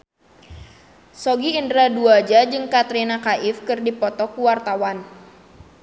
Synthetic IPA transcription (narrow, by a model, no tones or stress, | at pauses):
sɔɡiːndɾaduad͡ʒad͡ʒɨŋkat̪ɾinakaʔifkɨrdipɔt̪ɔkuwart̪awan